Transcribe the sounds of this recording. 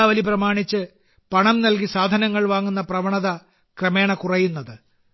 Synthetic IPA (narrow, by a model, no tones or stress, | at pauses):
aːʋɐliprɐmaːɳit͡ɕːɨ | pɐɳɐmnɐlkisaːd̪ʱɐnɐŋːɐɭʋaːŋːunːɐprɐʋɐɳɐðɐ | krɐme̞ːɳɐkurɐjunːɐðɨ